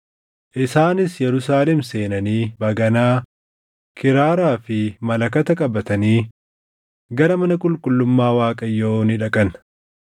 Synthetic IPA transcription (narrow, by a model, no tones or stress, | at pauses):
ʔɪsaːnɪsjɛɾʊsaːlɛmse̞ːnɐniːbɐɡɐnaː | kʰɪɾaːɾaːfɪmɐlɐkɐt̪ɐkʼɐbɐt̪ɐniː | ɡɐɾɐmɐnɐkʼʊlkʼʊlːʊmːaːwaːkʼɐjːoːnɪᶑɐkʼɐn